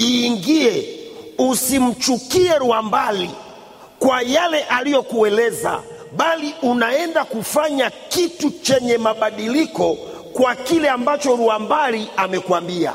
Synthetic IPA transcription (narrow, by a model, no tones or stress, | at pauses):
iːŋɡiɛusim̩t͡ʃukiɛɾuambali | kwajalɛʔalijɔkuɛlɛza̰ | ɓaliʔunaɛndakufaɲakitut͡ʃɛɲɛmaɓaɗilikɔ | kwakilɛambat͡ʃɔɾuambaliamɛkwambia̰